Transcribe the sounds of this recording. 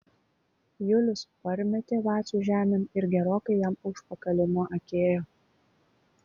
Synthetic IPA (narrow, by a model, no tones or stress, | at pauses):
jʊlʲʊspɐɾʲmʲɛt̪ʲeːʋɑːsʲuːʒʲæːmʲɛmɪɾɡʲɛɾoːkɐɪjɛmʊʃpɐkɐlʲɪmoʔɐkʲeːjoː